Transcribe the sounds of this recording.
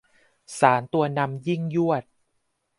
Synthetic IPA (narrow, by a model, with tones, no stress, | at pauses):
saː˩˦nt̪u˧ɐna˧mji˥˩ŋju˥˩ət̪̚